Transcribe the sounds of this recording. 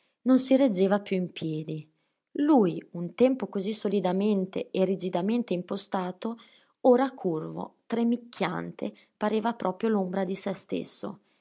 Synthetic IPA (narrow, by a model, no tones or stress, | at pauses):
nonsiɾed͡ʒːeːvapjuimpjɛːd̪i | luːjunt̪ɛmpokozisːolid̪ament̪ḛːrːid͡ʒid̪ament̪eimpost̪aːt̪o | oɾakʰurvo̰t̪ɾemːikʰːja̰nt̪ḛ | paɾeːvapɾʔɔːpɾjolombɾad̪isɛst̪ḛsːo̰